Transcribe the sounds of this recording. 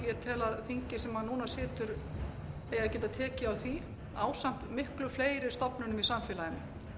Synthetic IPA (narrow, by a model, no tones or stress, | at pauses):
jɛt̪ʰɛːlaðθiɲcɪsɛmːaðnuːnasɪːt̪ʏɾ | ejaɛcɛːt̪at̪ʰɛːcɪawθi | aːwsam̥t̪mɪhklʏfleːjɾɪɾ̥st̪ɔpnʏnʏmisamfɪːlajɪnːɪ